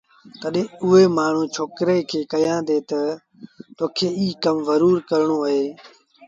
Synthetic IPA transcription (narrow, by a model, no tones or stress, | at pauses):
t̪əɗẽʊɦeːmaːɳ̤ũːt͡ʃʰoːkɾeːkʰeːkəjãːd̪eːt̪ə | t̪oːkʰeːiːkəmzəɾuːɾkəɾɳoːəɦeː